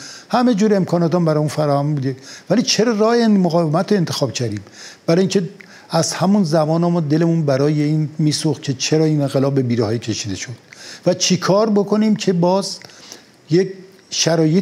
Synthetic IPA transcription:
hæme̞d͡ʒuːɾe̞mkʰɒːnɒːt̪ɒmbæɾɒːmuːnfæɾɒːhæmbuːd̪evælit͡ʃʰe̞ɾɒːrɒːhemoɣɒːvemæt̪ʰːoent̪ʰe̞xɒːb̥cʰæɾd̪iːmb̥æɾɒːjiŋcʰe | æzhæmunzæmɒːnɒmɒːd̪e̞lemunbæɾɒːjeiːnmiːsoxcʰe̞t͡ʃʰeɾɒːiːnenɣelɒːb̚ːe̞biːɾehɒːjicʲʰe̞ʃiːd̪e̞ʃod̪̥̚væt͡ʃʰekʰɒːɾbo̞kʰo̞niːmcʰe̞bɒːz | jek | ʃæɾɒːje

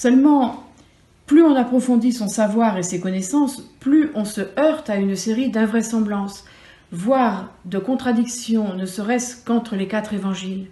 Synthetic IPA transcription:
sœlmɑ̃ | plyɔ̃napχɔfɔ̃d̪isɔ̃savwaʁesekɔnɛsɑ̃splyʔɔ̃səœʁt̪aynseʁid̪ɛ̃vʁɛsɑ̃blɑ̃s | vwaʁd̪əkɔ̃t̪χad̪iksjɔ̃nəsəʁɛskɑ̃t̪χəlekat̪χevɑ̃ʒil

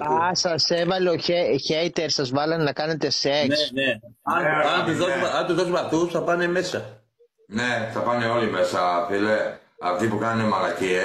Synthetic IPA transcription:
ɐsɐse̞vɐleoeçeit̪eɾsɐzvɐlɐnnɐkɐne̞t̪e̞seks | ɐnt̪uosɐnt̪uzðosumɐft̪usθɐpɐne̞me̞sɐ | ne̞θɐpɐneo̞lime̞sɐfile | ɐft̪ipukɐnunemɐɣɐcie

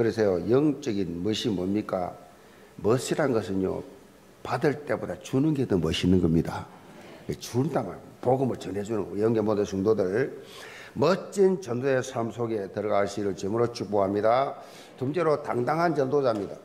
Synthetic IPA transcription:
kɯɾes̬ʰejojʌŋt͡ɕ͈ʌɡinmɯɕʰimomɲik͈a̰ | mʌɕʰiɾanɡʌsʰɯnjo̰ | padɯɭt͈e̞bodat͡ɕunɯnɡedɯmʌɕʰinɯnɡʌmɲida | wet͡ɕundama̰n | poɡɯmɯɭt͡ɕʌnɦed͡ʑunɯŋɡojʌŋɡemodɯsuŋdodɯɭ | mʌt͡ɕ͈int͡ɕʌndoesʰamsʰoɡe̞tɯɾʌɣaaɭɕiɾɯɭt͡ɕemuɾot͡ɕuboɦamɲida | tumd͡ʑeɾotaŋdaŋɦant͡ɕʌndod͡ʑamɲida̰

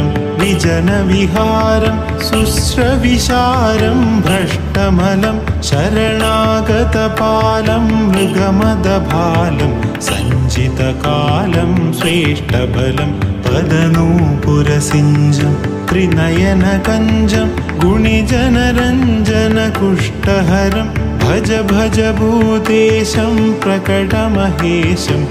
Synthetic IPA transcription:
m | ʋid͡ʒɐnɐʋiɦaːɾɐm | susɾɐʋiʃaːɾɐmbʱɐʂʈɐmɐlɐmʃɐɾɐɳaːɡɐt̪ɐpaːlɐmːɾuɡɐmɐd̪ɐbʱaːlɐmsɐ̰ɲd͡ʒit̪ɐkaːlɐmsɾeːʂʈɐbʱɐlɐmpɐd̪ɐnuːpuɾɐsiɲd͡ʒɐmt̪ɾinɐjɐnɐkɐɲd͡ʒɐm | ɡuɳid͡ʒɐnɐɾɐɲd͡ʒɐnɐkuʂʈɐɦɐɾɐm | bʱɐd͡ʒɐbʱɐd͡ʒɐbʱuːt̪eːʃɐmpɾɐkɐʈɐmɐɦeːʃɐm

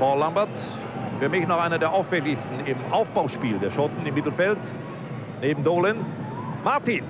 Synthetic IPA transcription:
paʊlːambɐt | fyːɐmɪçnɔχʔaɪnɐdeːɐʔaʊfɛlɪçstn̩ɪmʔaʊfb̥aʊʃpiːldeːɐʃɔtn̩ɪmːɪtl̩fɛlt | neːbm̩doːlɛn | maɐtin

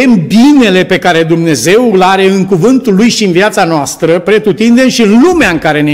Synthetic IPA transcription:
embine̞le̞pe̞kaɾe̞d̪umne̞ze̞wulaɾe̞ɨŋkuvɨnt̪ulːujʃiɨnviat̪sanoast̪ɾəpɾe̞t̪ut̪ind̪e̞mʃiɨnlumeaɨŋkaɾe̞ne

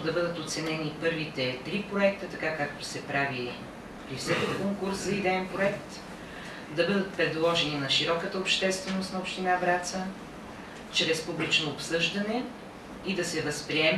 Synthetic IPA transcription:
d̪ɐbɤd̪ət̪ot̪sɛnɛnipɤɾvit̪ɛt̪ɾipɾoɛk̚t̪ət̪ɐkakak̚t̪o̥sɛpɾavi | pɾifsɛkikɔŋkuɾszɐid̪ɛɛnpɾoɛkt̪ | d̪ɐbɤd̪ət̪̚pɾɛd̪lˠɔʒɛninɐʃiɾɔkət̪əopʃt̪ɛst̪vɛnost̪nɐopʃt̪inabɾat̪sə | t͡ʃɾɛspublit͡ʃnoːpsɤʒd̪ɐnɛ | id̪ɐsɛvəspɾiɛm

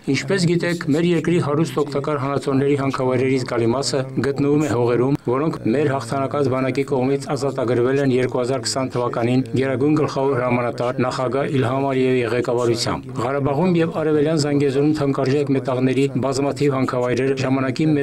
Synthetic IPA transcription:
int͡ʃʰpɛs̬ɡit̪ɛkʰmɛɾjɛɾkɾiɦɑɾust̪ɔkʰt̪ɑkɑɾɦɑnɑt͡sʰɔɾnɛɾiɦɑŋkʰɑvɑjɾɛɾizɡɑlimɑsəɡət̪nəvumɛɦɔʁɛɾumvɔɾɔŋkʰmɛɾhɑχt̪ʰɑnɑkɑt͡sʰbɑnɑkikɔʁmit͡sʰɑzɑt̪ɑɡəɾvɛlɛnjɛɾkuhɑzɑɾkʰə̥sɑnt̪ʰəvɑkɑninɡɛɾɑɡujnɡəlχɑvɔɾhəɾɑmɑnɑt̪ɑɾnɑχɑɡɑilɦɑmɑliɛviʁɛkɑvɑɾut͡sʰjɑ̰mbʁɑɾɑbɑʁumjɛvɑɾɛvɛljɑnzɑŋɡɛzɔɾumt̪ʰɑŋkɑɾʒɛkmɛt̪ɑʁnɛɾibɑzmɑt̪ʰivhɑŋkʰɑvɑjɾɛɾəʒɑmɑnɑkimɛ

